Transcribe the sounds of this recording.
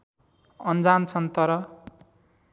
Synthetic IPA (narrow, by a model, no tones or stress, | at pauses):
ʌnd͡zant͡sʰʌnt̪ʌɾʌ